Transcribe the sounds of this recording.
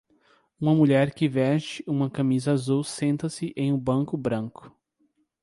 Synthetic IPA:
ũmɐmuʎɛɾkɪvɛst͡ʃɪũmɐkɐmizɐazuwsẽnt̪ɐsɪʔẽj̃ũbɐ̃ŋkʊbɾɐ̃ŋkʊ̥

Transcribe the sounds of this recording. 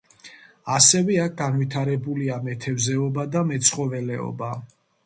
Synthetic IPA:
asɛvɛak̚ɡanvit̪ʰaɾɛbuliamɛt̪ʰɛvzɛɔbad̪amɛt̪sʰχɔvɛlɛɔ̰ba

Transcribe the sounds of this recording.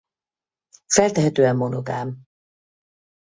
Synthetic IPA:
fɛlt̪ɛɦɛt̪øːɛmːonoɡa̰ːm

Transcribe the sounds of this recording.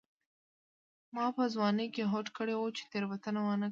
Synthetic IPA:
mɑpəzwɑnəjkeɦoʈkəɽewot͡ʃe̥t̪eɾwat̪ənawanə

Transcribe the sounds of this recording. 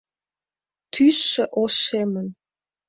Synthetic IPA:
t̪ʰysːə̆ʔosemən

